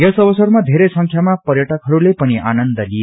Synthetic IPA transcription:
jʌsʌbʌsʌrmad̪ʱeɾesʌŋkʰjamapʌrjʌʈʌkɦʌɾulepʌniʔanʌnd̪ʌlie

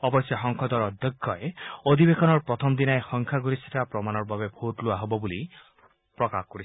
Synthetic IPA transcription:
ɔbɔsjɔɦɔŋkʰɔd̪ɔɾɔd̪ʱjɔɡʱːɔeod̪ʱibekʰɔnɔɾpɾɔt̪ʰɔmɔd̪inaexɔŋkʰaɡuɾisitapɾɔmanɔɾbabebʱoʈluaɦobɔbuli | pɾɔkakɔkɔɾi

